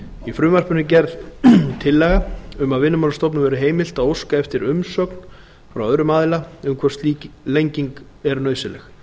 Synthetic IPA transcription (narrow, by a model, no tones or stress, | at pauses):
ifɾʏːmar̥pʏnʏcɛɾðt̪ʰɪlːɛɣaʏmaðvɪnːʏmawlast̪ɔwp̬nʏmvɛːɾɪɦeːjmɪl̥t̪aðowskaɛft̪ɪɾʏmsœkn | fɾawœðɾʏmaːðɪlaʏmkʰvɛst̪liːclejɲciŋk | ɛɾnœːɥsɪlɛx